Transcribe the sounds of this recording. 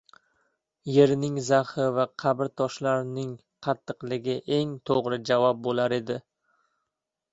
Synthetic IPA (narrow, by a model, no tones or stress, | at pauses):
je̞ɾnɪŋzahɪvaqʰɑbɾt̪ʰɒʃlaɾnɪŋ | qʰɑt̪ʰːɨqlɪɡʲɪʔe̞ŋt̪ʰoʁɾɪd͡ʒavɒp̚bolaɾe̞d̪ɪ